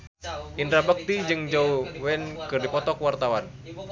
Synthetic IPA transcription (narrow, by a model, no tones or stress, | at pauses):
ʔind̪ɾabak̚t̪id͡ʒɨŋd͡ʒauwɛnkɨrdipɔt̪ɔkwart̪awan